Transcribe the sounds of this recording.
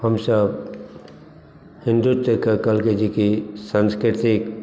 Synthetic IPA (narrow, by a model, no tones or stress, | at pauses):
həmsəb | hɪ̃nd̪ut̪ːəkekəlked͡ʒikisə̃nskɾɪt̪ɪk